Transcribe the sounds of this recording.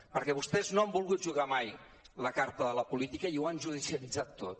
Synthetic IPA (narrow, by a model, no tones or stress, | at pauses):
pəɾkɛβust̪ɛznoambulˠɣut̪̚ʒuɣamaj | ləkaɾt̪əðələpulit̪ikəiuanʒuð̞isiəlid͡zat̪ːot̪